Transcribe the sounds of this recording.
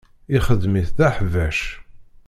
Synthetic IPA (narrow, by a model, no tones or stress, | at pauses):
iχəðmiθðæħvæʃ